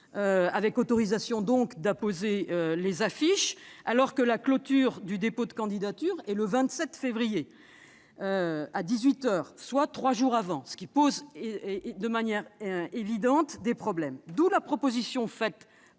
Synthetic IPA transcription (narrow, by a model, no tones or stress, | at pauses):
øavɛkɔt̪ɔʁizasjɔ̃d̪ɔ̃kd̪apozeølezafiʃalɔʁkəlaklɔt̪yʁd̪yd̪epod̪əkɑ̃d̪id̪at̪yʁɛləvɛ̃t̪sɛt̪fevʁije | øad̪izɥit̪œːʁswat̪χwaʒuʁavɑ̃sə̥kʲipoz | d̪əmanjɛʁevid̪ɑ̃t̪d̪epχɔblɛmd̪ulapχɔpozisjɔ̃fɛt̪